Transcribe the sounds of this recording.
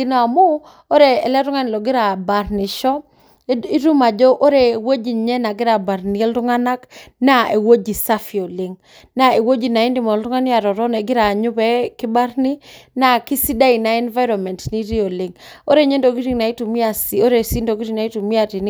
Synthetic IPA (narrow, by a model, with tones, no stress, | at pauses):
ɪ˨nɔ˨a˨mʊ˦ | o˦ɾeː˨lɛ˦ɾʊ˦ŋa˦nɪ˨lɔ˨ɡɪ˦ɾa˨ba˨rnɪ˨ʃɔ˦ | i˦ɾu˦ma˨d͡ʒɔ˦ʔo˦ɾe˨wo˦d͡ʒi˨ɲɛ˦na˨ɡɪ˦ɾa˨ba˨ɾnɪ˨ɛ˦ltʊ˦ŋa˦na˦kna˦e˨wo˦d͡ʒi˨sa˦fi˨o˨lɪ˨ŋ | na˦˨e˨wo˦d͡ʒi˨na˨ɪ˦ndɪ˦mɔ˨ltʊ˦ŋa˦nɪ˦a˨ɾɔ˨ɾɔ˦nɛ˨ɡɪ˦ɾa˨ɲʊ˦bɛ˦kɪ˦ba˦ɾnɪ˦na˦ki˦si˦da˦i˨na˦ɛ˦nva˦ɪɾɔ˨nmɛ˨ntni˦ɾi˦o˨lɪ˨ŋo˦ɾe˦ɲe˦ndo˨ɡi˦ɾi˦ŋna˨i˦tu˨mi˦a˨si˨o˦ɾe˨si˦ndo˨ɡi˦ɾi˦na˨i˦tu˨mi˦a˦˨ti˨n˦